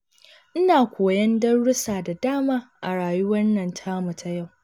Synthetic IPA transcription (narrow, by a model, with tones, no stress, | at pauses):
ʔɪ˦naː˨kʷoː˨jɐ˦ndɐ˦rɽʊ˦saː˨da˨daː˦maː˦ʔa̰˨ɽaː˨ju˦wɐ˦nːɐ˨ntʰaː˦mʊ˨tʰa˦ja˦˨w